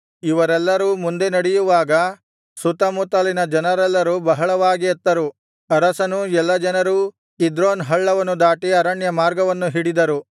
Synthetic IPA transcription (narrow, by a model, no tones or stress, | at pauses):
iʋɐɾɛlːɐɾuːmund̪e̞nɐɽɛjuʋaːɡɐ | sut̪ɐmut̪ɐlinɐd͡ʒɐnɐɾɛlːɐɾuːbɐɦɐɭɐʋaːɡiɐt̪ːɐɾu | ɐɾɐsɐnuɛlːɐd͡ʒɐnɐɾu | id̪ɾoːnɦɐɭːɐʋɐnːud̪aːʈiɐɾɐɳjɐmaːɾɡɐʋɐnːuɦiɽid̪ɐɾu